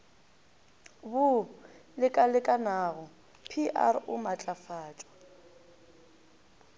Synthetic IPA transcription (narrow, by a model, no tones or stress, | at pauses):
bʊlɪkʼalɪkʼanaːɣʊ | pʰiʔa̰rʊmat͡ɬʼafaːt͡ʃʼwa